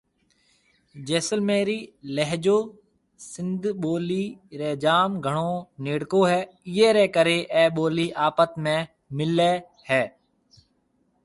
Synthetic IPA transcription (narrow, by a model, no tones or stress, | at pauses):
d͡ʒeːsəlmeːɾiːlɛɦd͡ʒoː | sɪnd̪ʱɓoːliːɾɛːd͡ʒaːmɡʱəɳoːneːɽkoːɦɛː | ɪeːɾɛːkəɾeːʔɛːɓoːliːʔaːpət̪mẽː | mɪleː | hɛː